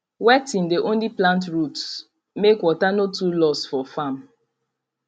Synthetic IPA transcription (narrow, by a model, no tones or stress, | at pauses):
wɛtĩndeʔõnliplãntɹuts | mekwɔtanotulɔsfɔfam